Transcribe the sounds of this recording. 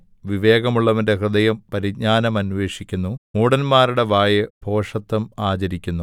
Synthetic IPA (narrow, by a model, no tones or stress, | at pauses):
ʋiʋe̞ːɡɐmuɭːɐʋɐnde̞krɨd̪ɐjɐmpɐɾiɡ̚ɲaːnɐmɐnʋe̞ːʂikʲːunːumuːɽɐnmaːɾuɽe̞ʋaːjebʱo̞ːʂɐt̪ːɐmaːt͡ɕɐɾikʲːunːu